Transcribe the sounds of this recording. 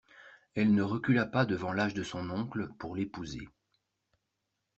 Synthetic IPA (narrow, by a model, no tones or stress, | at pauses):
ɛlnəʁəkʲylapad̪əvɑ̃laʒd̪əsɔ̃nɔ̃kləpuʁlepuzḛ